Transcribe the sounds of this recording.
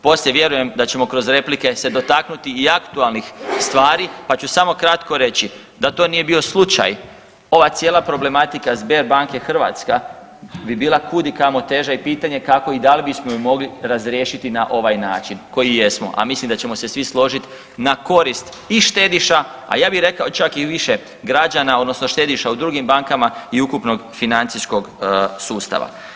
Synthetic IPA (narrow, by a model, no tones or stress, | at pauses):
po̞sleʋje̞ɾuje̞md̪at͡ɕe̞mo̞kɾo̞zɾe̞plike̞se̞d̪o̞t̪aknut̪iːakt̪ualˠnixst̪ʋaːɾipat͡ɕusamo̞kɾat̪ko̞ɾe̞t͡ɕi | d̪at̪o̞ːnije̞bio̞slˠut͡ʃa̰j | o̞ʋat̪sjeːlˠapɾo̞ble̞mat̪ikazbe̞ɾbaŋke̞xr̩ʋa̰t̪ska | bibiːlˠakud̪ikamo̞t̪eʒaipiːt̪aɲekako̞id̪alibismojumo̞ɡliɾazɾjeːʃit̪inaʔo̞ʋajnaːt͡ʃinko̞jije̞smo̞̰ʔa̰mislimd̪at͡ɕe̞mo̞se̞sʋislˠo̞ʒit̪ | nako̞ɾist̪ | iʃt̪e̞d̪iʃa | a̰jaːbixɾe̞kaot͡ʃakiʋiʃe | ɡɾad͡ʒanao̞d̪no̞sno̞ʃt̪e̞d̪iʃaud̪ɾuɡimbaŋkamaiukupno̞ɡfinant̪sisko̞ɡsuːst̪a̰ʋa̰